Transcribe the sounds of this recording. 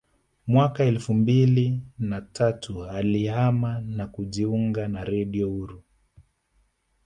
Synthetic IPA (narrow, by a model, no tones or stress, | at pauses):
mwakaɛlfumbilinatʰatʰualihamanakuʄiuŋɡanaɾɛɗiɔuɾu